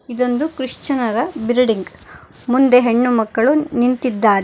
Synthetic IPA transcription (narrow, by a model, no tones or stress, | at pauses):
id̪o̞nd̪ukɾiʂt͡ʃɐnɐɾɐbiɾɖiŋɡ | mund̪e̞ɦe̞ɳːumɐkːɐɭunint̪id̪ːaːɾe